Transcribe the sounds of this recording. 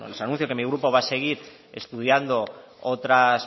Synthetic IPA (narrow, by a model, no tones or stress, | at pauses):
o̰losanũnθjokemiɣɾupo̞βase̞ɣ̞iɾ | e̞st̪uð̞jand̪o̞ | ot̪ɾas